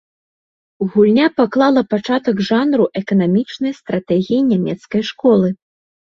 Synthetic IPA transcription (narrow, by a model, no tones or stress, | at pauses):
uɣulʲnʲapaklˠalˠɐpat͡ʂat̪ɐɡʐanɾuʔɛkɐnamʲit͡ʂnɐjst̪ɾat̪ɛɣʲijinʲamʲɛt̪skɐjʂkɔlˠɨ